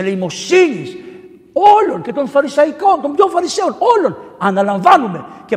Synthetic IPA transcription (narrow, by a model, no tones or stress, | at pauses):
eleimo̞siɲis | olonce̞t̪o̞nfɐɾisɐikont̪ombjoɱfɐɾiseonolonɐnɐlɐɱvanume̞ce